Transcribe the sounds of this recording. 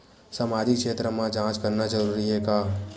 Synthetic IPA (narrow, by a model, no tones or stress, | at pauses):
samaːd͡ʒɪkʃeːt̪ɾəmãd͡ʒãːt͡ʃkɐɾnad͡ʒɐɾuːɾiɦɛkaː